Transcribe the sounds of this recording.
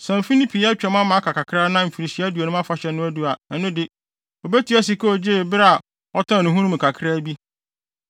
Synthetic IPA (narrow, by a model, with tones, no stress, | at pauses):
sɛ̃˨m̩˨fi˦nĩ˦pʰi˨ɛ˦t͡ɕᶣɛ˨mã˦mã˨˦kʰa˨kʰa˨kʰɾa˦nã˦m̩˨fi˨ɾi˨ɕi˨˦æ˦du˨a˨nʊ̃˦m˦a˦fa˨ɕɛ˨nʊ̃˦æ˦du˦a˨nã˨nʊ̃˦dɪ˨ | o˨be˦tʰi˨˦ɛ˦s̬i˦kʰo˦ɔ˨d͡ʑe˦˨bɾa˨ | ɔ˦tʰã˦˨ʊ̃˨ɦũ˦ɾʊ̃˦mɪ̃˨kʰa˨kʰɾaː˦bi˦